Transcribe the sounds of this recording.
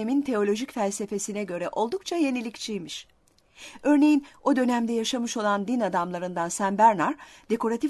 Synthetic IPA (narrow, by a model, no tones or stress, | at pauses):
emint̪ʰe̞o̞lʲo̞ʒicfælʲse̞fe̞sinɛɟø̞ɾɛʔo̞lˠd̪uk̚t͡ʃʰaje̞nilʲict͡ʃʰijmiʃ | ø̞ɾne̞jino̞d̪ø̞næmd̪ɛjaʃamɯʃo̞lˠand̪inad̪amlˠaɾɯnd̪ansæmbæɾnaɾ̥ | d̪e̞ko̞ɾat̪ʰi